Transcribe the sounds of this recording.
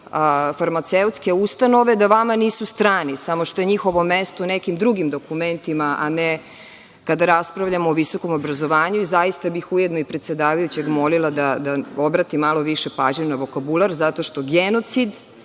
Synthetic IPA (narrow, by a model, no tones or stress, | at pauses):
faɾmat̪seut̪ske̞ust̪ano̞ʋed̪aʋamaniːsust̪ɾaːnisamoʃt̪o̞je̞ɲixo̞ʋomest̪ounekimd̪ɾuɡimd̪o̞kument̪imaʔane | kad̪aɾaspɾaʋʎamoːʋiso̞ko̞mobɾazo̞ʋaːɲuizajist̪abixujed̪noipɾet̪se̞d̪aːʋajut͡ɕeɡmo̞lilˠad̪ad̪aobɾat̪imalo̞ʋiʃepaːʒɲenaʋo̞kabulˠaɾzat̪o̞ʃt̪o̞ɡeno̞t̪sid̪